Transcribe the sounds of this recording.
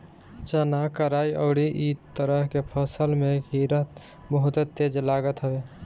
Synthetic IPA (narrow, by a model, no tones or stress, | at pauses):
d͡ʒənakəɾaiə̰ʊɽiʔit̪əɾəɦkepʰəsəlmeɡiɾət̪ | məɦʊt̪ət̪ːed͡ʒlaɡət̪ɦəbe